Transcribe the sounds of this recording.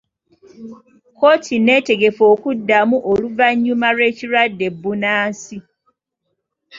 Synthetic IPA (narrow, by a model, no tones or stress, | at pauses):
ko̞ːtʰine̞ːte̞ɡe̞fo̞ːkudːamuʔoluvaɲːumaɾwe̞ːciɾwadːe̞bːunaːsi